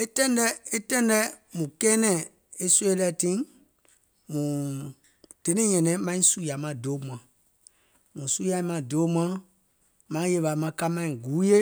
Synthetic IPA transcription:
e˦tɛ̃˦ndɛ˦e˦tɛ̃˦ndɛ˦mũ˨kɛ˦nɛ̃˨ | e˦su˦e˦lɛ˦˨tĩ˦ | mũ˨ | d̥e˨˦nĩ˦ɲɛ̃˨nɛ̃˨˦mã˦ĩ˦su˦ja˨mã˨do˨˦mw̃ã˨ | mũ˨su˦ja˨i˦mã˨do˨˦m̃ã˦ | mã˦je˧˨va˨˦mã˧˦ka˦mã˦ĩ˨ɡu˨˦je˦

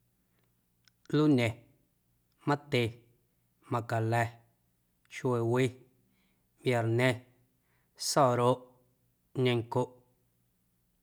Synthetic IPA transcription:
lu˦ɲẽ˨ | mã˦t̪e˧˨ | mã˨ka˨lɛ˧ | ʃwe˨wi˦ | mbja˨ɾnẽ˦ | sɔ˦˨ɾo˦ʔ | ɲẽ˧ŋ˨ko˦ʔ

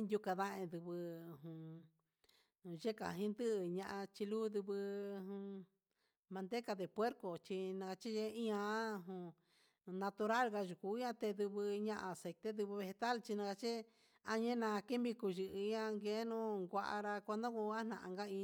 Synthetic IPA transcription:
nd̪ʲju˧ka˧ða˦˧ẽ˧d̪u˧βɨ˧ɦũ˨ | ʒe˦ka̰˨ɦĩ˦nd̪ɨ˦ʔɲã˧ʔã˧t͡ʃi˧lu˦d̪u˧βɨ˧ũ˧ | mã˧nd̪e˦ka˧ðe˨pwe˦ɾko˨t͡ʃi˧nã˧ka˧t͡ʃi˦ʒe˦i˦ã˧˦˧ɦũ˧ | nã˧t̪u˧ɾa˦lɣa˧ʒu˨ku˨˦ã˦t̪e˧d̪u˧βɨ˧ɲã˧ʔã˧˨se˨t̪e˦d̪ɨ˧βɨ˧βe˧he˧t̪a˦lt͡ʃi˧nã˧ka˧t͡ʃi˦ | a˧ɲẽ˦nã˧ke˦mbi˧ku˧ʒɨ˧ʔã˧ŋɡe˦nũ˦ŋɡʷa˧ʔa̰˧ɾa˧kʷa˧nd̪ã˦ku˧a˦n̥ã̰˨ʔã̰˧ŋɡa˦ĩ˧

